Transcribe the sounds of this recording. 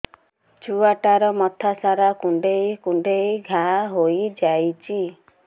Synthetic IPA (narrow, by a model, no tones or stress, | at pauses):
t͡ʃuaʈaɾɔmɔt̪ʰasaɾakuɳɖejkuɳɖejɡʱaɦojd͡ʒajt͡ʃʰi